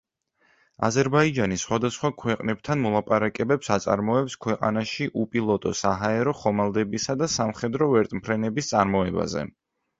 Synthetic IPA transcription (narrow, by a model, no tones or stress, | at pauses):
a̰zɛɾbaid͡ʒanisχwad̪asχwakʰwɛqʼnɛb̚t̪ʰanmɔlˠapʼaɾakʼɛbɛpsat̪sʼa̰ɾmɔɛpskʰwɛqʼa̰naʃiʔupʼilˠɔt̪ʼɔ̰saɦaɛɾɔχɔmalˠd̪ɛbisad̪asamχɛd̪ɾɔvɛɾt̪ʼmpʰɾɛnɛbist̪sʼaɾmɔɛba̰zɛ̰